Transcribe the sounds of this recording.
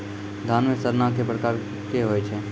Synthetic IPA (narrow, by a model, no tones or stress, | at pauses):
d̪ʱaːnmesəɾnakepɾəkaːɾ | keɦoːet͡ʃʰeː